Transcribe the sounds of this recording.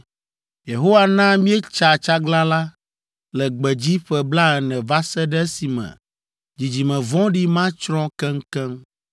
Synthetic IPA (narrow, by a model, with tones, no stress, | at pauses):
je˨ɦo˦wa˨nã˦mĩ˦ɛ˦t͡ʃa˨t͡ʃa˦ɡla˦la˦ | lɛ˨ɡ͡bɛ˨d͡ʑi˦ɸɛ˦bla˦ɛ˨nɛ̃˨va˦sɛ˦ɖɛ˦si˨mɛ̰̃˨ | d͡ʑi˨d͡ʑi˨mɛ̃˨vɔ̃˦ɖi˦mã˦t͡ʃɾɔ̃˦kɛ˦ŋ˦kɛ˦m